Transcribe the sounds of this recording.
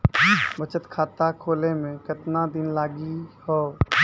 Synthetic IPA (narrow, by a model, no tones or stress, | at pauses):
bət͡ʃət̪kʰaːt̪akʰoːlemẽkət̪nad̪ɪnlaːɡihoː